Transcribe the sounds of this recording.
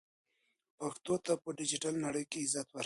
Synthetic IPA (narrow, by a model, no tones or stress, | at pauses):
paxt̪ot̪apəɖɪd͡ʒɪʈalnaɽəjkeɪzat̪waɾ